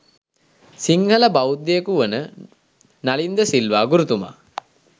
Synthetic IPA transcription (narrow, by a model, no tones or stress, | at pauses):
siŋhələbawud̪ːejekuʋənə | nalind̪əsilʋaːɡuɾut̪uma̰ː